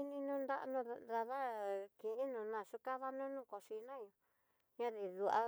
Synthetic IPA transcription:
i˦nĩ˧nũ˦nd̪a˦ʔnũ˦˧ða˧ða˦kĩ˨ʔi˦nũ˧˨nã˧˨ʃu˦ka˦ða˦nũ˦nũ˦ko˨ʃi˧nã˦˨ɲõ˧ | ɲã˦ði˨ðu˧a˧

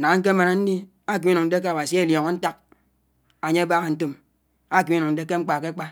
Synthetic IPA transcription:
a˨ŋ˦ŋ̩˦k̬e˦ma˨na˨n̩˦di˦ | a˦k̬i˨˦i˦nu˨ŋn̩˦de˦ke˦a˨wa˨si˦e˦ljo˨ŋo˦n̩˦ta˦k̚ | a˨ɲe˦a˦ba˦ɣe˨n̩˦to˦m | a˦˨ki˨˦nu˨ŋn̩˦de˦ke˦ŋ͡m̩˦k͡pa˨ke˦k͡pa˦

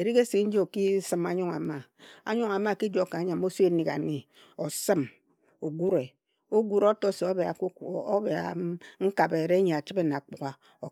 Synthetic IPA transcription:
e˨ɾi˦ke˦si˨˦n̩˦d͡ʒi˦o˨ki˦sɨ˨ma˨ɲu˦ŋa̰˨ma˨a̰˨ɲu˦ŋa˨ma˦˨ki˦d͡ʒo˨kːa˨˦ɲa˨mo˦so˦e˦ni˨ka̰˨ni˨ | o˨sɨ˦m | o˨ɡu˦ɾe˨ | o˦ɡu˦ɾo˦to˦se˨o˦ba˨˦be˨a̰˨ŋ̩˦ka˨be˨ɾe˦ɲe˨a˨t͡ʃi˦be˦n˨a˨k͡pu˨ɣa˨ | o˨

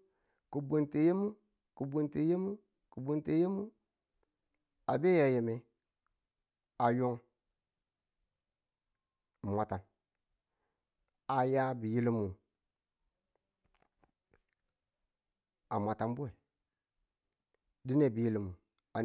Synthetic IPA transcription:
ku˨bo˨nte˨je˦mu˦ | ku˨bu˦nte˨je˦mu˦ | ku˨bu˦nte˨je˦mu˦ | a˨be˦ja˨je˨me˨ | a˨jo˦ŋ˨ | ma˨ta˨n | a˨ja˦bi˨ji˦li˦mu˨ | a˨ma˨ta˨mbu˦e˨ | di˦ne˦˨bi˨ji˦li˨mu˨ | a˨

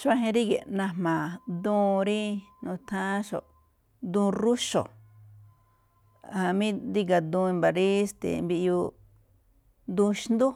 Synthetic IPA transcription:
ʃa˧ɦẽ˧ɾi˦ɡḛ˨nã˧mmã˨d̪ũː˦˧ɾi˦nũ˧t̪ʰã˦ʃo̰˨ | d̪ũ˧ɾu˦ʃo̰˨ | ha˧mĩ˦nd̪i˦ɡa˨d̪ũ˧i˧mba˨ɾi˦st̪ḛ˨mbi˧ʔju˧ | d̪ũ˧ʃnd̪u˦

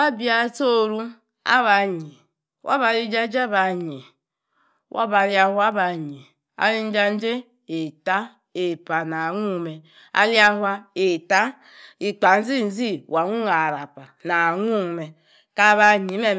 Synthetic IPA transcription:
wa˦bi˦a˦to˦ɾu˦ | a̰˦βa˨ɲi˨ | wʔa̰˦ba˨li˦d͡ʒa˦d͡ʒa˦ba˨ɲi˨ | wʔa̰˦ba˨li˦a˦hu˦a˦ba˨ɲi˨ | a̰˦li˦n̩˦d͡ʒa˦n̩˦d͡ʒe˦ | e˨ta˦ | e˨pa˨na˨ŋu˦˨me˨ | a̰˦li˦a˦ɦwa˦e˨ta˦ | i˨k͡pa˨n̩˦zi˦˨n̩˦zi˦wa˨ŋu˦ŋa˨ɾa˨pa˨na˨ŋu˦˨me˨ | ka˦βa˦ɲi˨˦me˦

